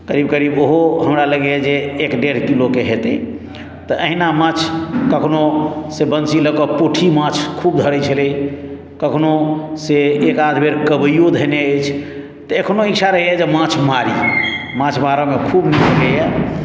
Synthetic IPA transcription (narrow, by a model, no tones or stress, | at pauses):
kəɾibkəɾiboɦoɦəmɾaləɡjɛd͡ʒeːkɖeɖ̤kilokeɦet̪ɛ̰ | t̪əʔəɦinamãt͡ʃʰkəkʰnosebənt͡ʃiləkɔpoʈʰimãt͡ʃʰkʰubd̪ʱəɾɛt͡ʃʰəli | kəkʰnoseekad̪ʱbʱeɾkəbjod̪ʱəneət͡ʃʰ | t̪əəkʰnoikt͡ʃʰaɾəɦjɛd͡ʒemãt͡ʃʰmaɾijɛ̰mãt͡ʃʰmaɾəmekʰubmiɾəɡəjɛ